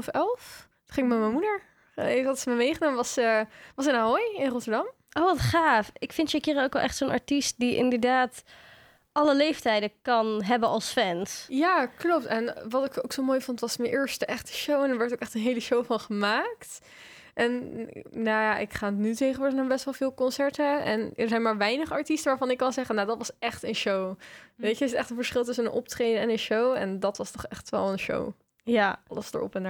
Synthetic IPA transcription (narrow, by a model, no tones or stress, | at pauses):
fɛlˠf | χɪ̃ŋɪkmɛməmudəɹ | ɪɑtsəməmejχənoːməʋɑsəʋɑsənaɦɔjɪnrɔtəɹdɑm | ʔowʋɑtχaːfɪkfɪntsɛkɪːɾənowkʋɛlˠʔɛχtsonɑ̰ɹtist̚diʔɪ̰ndəɹdaːt | ʔɑləlejftɛjdəkɑnɦɛbənʔɑlˠsfɛnsjaːklɔp̚tɛnʋɑtɪkoksowmojfɔntʋɑsmənʔɪːɹstəʔɛχtə̥ʃowɛndəɹʋɛɹtowkɛχtənɦejləʃowfɑnχəmaːkt | ʔɛnnajaʔɪkχaːnnytejχəʋʊɹdənaːbɛstʋɛlˠvɪːlˠkɔnsɛɹtəɛ̰nəɹzɛjnmaːɹʋɛjnəχəɑɹtistəʋaːɹvɑnɪkːɑnzɛχənadɑtʋɑsɛχtənʃowʋejtəɪsətɛχtənfəɹsχɪlˠtʏs̬ənənʔɔp̚trejdənɛnənʃowɛndɑtʋɑstɔχɛχtʋɛ̰lˠənʃo̰w | ɑləsdə̰ɹʔɔ̰pɛn